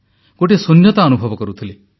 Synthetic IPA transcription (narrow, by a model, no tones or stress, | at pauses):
koʈesonjɔt̪aɔnubʱɔbɔkɔɾut̪ʰile